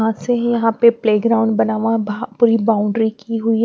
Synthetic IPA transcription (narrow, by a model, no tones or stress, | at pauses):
ɦãsejɐɦãpepleːɡɾaːʊ̃ɳɖbɐnaːʋãbpuːɾibaːʊ̃ɳɖɾikiɦʊi